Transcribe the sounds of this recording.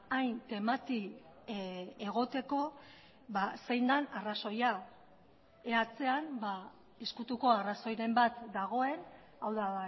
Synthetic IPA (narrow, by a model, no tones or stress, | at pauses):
ajnt̪e̞mat̪i | eɣ̞o̞t̪e̞ko̞ | βase̞jnd̪anaraso̞ja | eat͡se̞anba | eskut̪uko̞araso̞jɾe̞mbat̪d̪aɣ̞o̞e̞n | awða